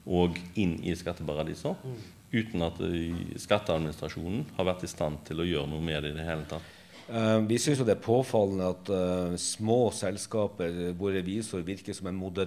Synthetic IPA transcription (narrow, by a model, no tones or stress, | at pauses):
ʔɔɡɪnːɪ̰skɑt̪ːəpɑʁɑd̪ḭːsə | ʉːt̪nɑt̪skɑt̪ːəɑd̪mɪnɪst̪ɾɑʂuːnn̩hɑɾʋæɾʈ̪ɪst̪ɑnt̪ʰɪlɔjøːɾənuːəmeːd̪ɛɪd̪ɛɦeːlət̪ʰɑt̪ː | ʋɪsʏnsjʊd̪ɛæɾpʰoːfɑlːnəɑt̪smoːsɛlskɑːpəɾʋʊɾəʋiːsəɾʋɪɾkəsɔmɛnmʊd̪ɛ